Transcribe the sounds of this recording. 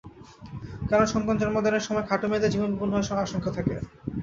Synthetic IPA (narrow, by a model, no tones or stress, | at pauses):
kaɾonʃɔŋkant̪ɾoɾmɔd̪ʱoneɾʃɔmɔekʰaʈomed̪ed͡ʑibonbibonːoeɾʃɔaʃoŋkʰat̪ʰakḛ